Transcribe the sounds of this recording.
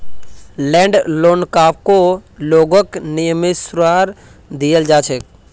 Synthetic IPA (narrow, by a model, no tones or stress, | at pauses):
lɛ̃ːɳɖloːnkaːp̚koloːɡoknɪjəmɪsɾaːɾ | d̪ijəld͡ʒaːt͡ʃʰek̚